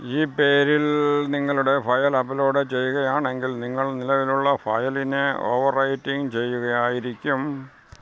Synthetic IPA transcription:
iːpe̞ːɾilniŋːɐɭuɽe̞fɐjɐlɐpɐloːɽet͡ɕe̞jːuɣɐjaːɳe̞ŋɡilniŋːɐɭnilɐʋiluɭːɐfɐ̰jɐlinɨo̰ːʋɐrɐjtːiŋt͡ɕe̞jːuɣɐjaːjiɾikʲːum

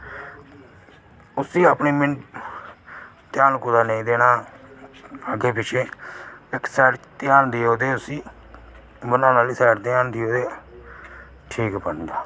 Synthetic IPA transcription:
ʊsiːaːpniːmɪn | t̪ɪjaːnkʊd̪aːneĩːd̪eːnaː | əɡeːpɪt͡ʃʰeːɪksɛːɾt̪ɪjaːnd̪ioːd̪eːʊsiː | bənãːnaːliːsɛːɾt̪ɪaːnd̪ioːd̪eː | ʈʰiːkpənd̪aː

